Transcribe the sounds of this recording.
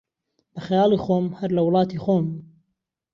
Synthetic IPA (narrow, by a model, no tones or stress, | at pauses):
bɐxajɑːlˠiːxoːmhɐɾlɐwlˠɑːt̪iːxoːm